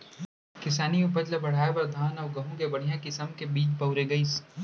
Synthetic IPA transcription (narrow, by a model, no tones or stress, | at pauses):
kɪsaːniʊpəd͡ʒləbɐɽ̤aːepɐɾd̪ʱaːnɔːɾɡɐɦũkebɐɽ̤ijãkɪsəmkebiːt͡ʃpɐʊɾeɡɐiːs